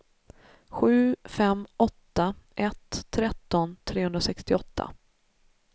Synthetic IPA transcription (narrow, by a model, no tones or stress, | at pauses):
ɧʉ̟ːfɛmɔt̪ːaʔɛt̪ʰːɾɛt̪ːɔnt̪ʰɾeːɵnɾasɛkst̪ɪɔt̪ʰːa̰